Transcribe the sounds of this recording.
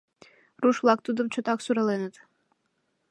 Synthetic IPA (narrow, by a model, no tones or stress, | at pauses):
ruʃvlˠɑk̚t̪ud̪əmt͡ɕot̪ɑksuɾɑlenət̪